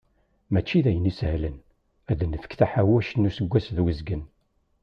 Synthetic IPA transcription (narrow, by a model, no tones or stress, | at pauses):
mæt͡ʃːiðæjənishlən | æðnːəfə̥kθæħawæʃənːusəɡʷːæsðwəzɡən